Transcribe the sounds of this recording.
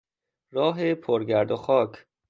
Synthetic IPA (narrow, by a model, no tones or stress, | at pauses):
ɾɒːɦepʰoɾɟæɾd̪oxɒːcʰ